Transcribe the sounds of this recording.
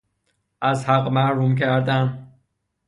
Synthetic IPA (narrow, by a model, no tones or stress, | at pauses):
ʔæzhæɢmæhɾumcʰæɾd̪æn